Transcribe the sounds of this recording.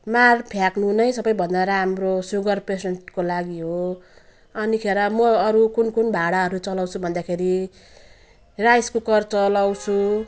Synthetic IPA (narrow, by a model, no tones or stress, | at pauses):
marpʰjaknunʌjsʌbʌjbʱʌnd̪aɾamrosuɡʌrpeseɳʈkolaɡiɦo | ʌnikʰeɾʌmʌʌɾukunkunbʱaɽaɦʌɾut͡sʌlawt͡sʰubʱʌnd̪akʰeɾi | rajskokʌrt͡sʌlawt͡sʰu